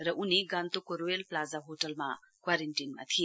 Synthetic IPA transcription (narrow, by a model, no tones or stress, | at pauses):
ɾʌʔuniɡant̪okoɾowelplazaɦoʈəlma̰ | kwaɾeɳʈinma̰t̪ʰie